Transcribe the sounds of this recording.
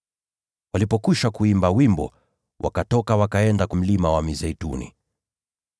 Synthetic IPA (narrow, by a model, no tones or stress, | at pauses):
walipɔkiʃakuimbawimbɔ̰ | wʔa̰katɔkawakaɛndakum̩limawamizɛjtṵnḭ